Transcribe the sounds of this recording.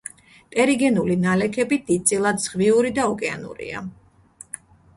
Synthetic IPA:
t̪ʼɛɾiɡɛnulinalɛkʰɛbid̪̥id̪̚t̪sʼilˠad̪z̥ʁviuɾid̪aɔkʼɛa̰nṵɾḭa̰

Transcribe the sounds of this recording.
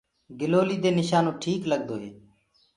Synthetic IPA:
ɡɪloːliːd̪eːnɪʃaːnõːʈʰiːkləɡ̚d̪oːɦḛː

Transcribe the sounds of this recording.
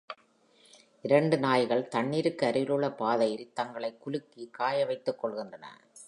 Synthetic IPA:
ʔɪɾɐɳɖɯnaːjɣɐɭt̪ɐɳːiːɾɯkːɯɐɾɯʋɪlɯɭːɐpaːðɐjɪɾt̪ɐŋɡɐɭɐɪkːʊlɯkːikaːjɐʋɐɪt̪ːɯkːɔɭɣɪndrɐnɐ̰

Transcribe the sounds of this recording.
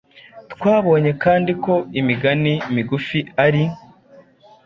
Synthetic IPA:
tkwaːβo̞ːɲe̞kaːndiko̞imiɡanimiɡufiaɾi

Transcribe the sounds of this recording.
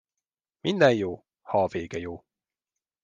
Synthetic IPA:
mind̪ɛjjoː | hɒːveːɡɛjoː

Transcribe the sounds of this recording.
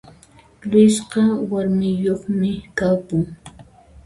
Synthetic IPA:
lʊjsɢɑwaɾmɪjoχmɪkapʊŋ

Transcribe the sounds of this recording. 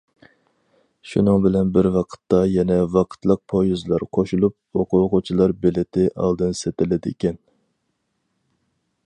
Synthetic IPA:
ʃunɨŋbɪlɛnbɪɾwɑqʰə̥t̪ːɑjɛnɛvɑqʰə̥t̪lˠəq̚pʰojuzlˠɑɾqʰoʃulˠup̚oqʰʊoqut͡ʃʰilˠɑɾbɪlɪt̪ʰɪʔɑ̰lˠd̪ɨnset̪ɪlɪd̪ɪekʲɛn

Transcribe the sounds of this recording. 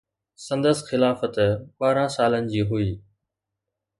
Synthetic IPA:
sə̃nd̪əsxɪlaːfət̪ɓaːɾãːsaːlənɪ̆d͡ʑiːɦʊiː

